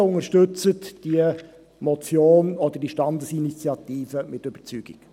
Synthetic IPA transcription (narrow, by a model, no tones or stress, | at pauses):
ʊŋəʃtʏt͡sətd̥iə | mɔt͡sjoːnɔdəd̥iʃtɑndəsinit͡sjɑtiːvəmɪtːyb̥ət͡syːɡ̥ḭk